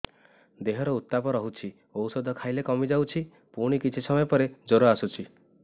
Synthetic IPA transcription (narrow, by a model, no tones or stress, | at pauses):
d̪eɦɔɾɔut̪ːapɔɾɔɦut͡ʃʰi | owsɔd̪ʱɔkʰajlekɔmid͡ʒawt͡ʃʰi | puɽ̃ikit͡ʃʰisɔmɔjɔpɔɾed͡ʒoɾoasut͡ʃʰi